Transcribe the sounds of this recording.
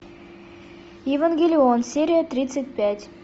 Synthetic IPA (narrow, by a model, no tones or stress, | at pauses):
jevanɡʲelʲionsʲeɾʲijət̪ɾʲit̪sət̚ʲpʲætʲ